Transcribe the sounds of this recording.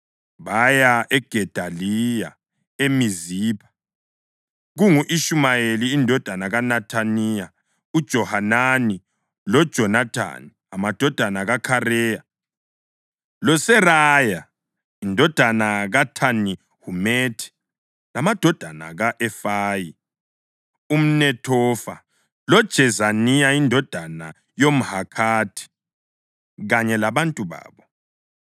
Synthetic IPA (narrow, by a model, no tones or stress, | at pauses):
βajaɛɡ̥ʱɛd̥ʱalija | emiziːpʰḁ | ɣuŋuʔiʃumajeliːndʱɔd̥ʱanaɣanatʰanija | ud̥ʒ̥ʱɔhanani | lɔd̥ʒ̥ʱɔnatʰa̰ni | amad̥ʱɔd̥ʱanaɣakʰarɛːja | lɔsɛraja | indʱɔd̥ʱanaɣatʰani | humetʰi̥ | lamad̥ʱɔd̥ʱana̰ɣaʔɛfaːji | um̩nɛtʰɔfa | lɔd̥ʒ̥ʱɛzanijaindʱɔd̥ʱana | jom̩hakʰaːtʰi̥ | ɣaɲɛlaβantʼuβa̰ːβɔ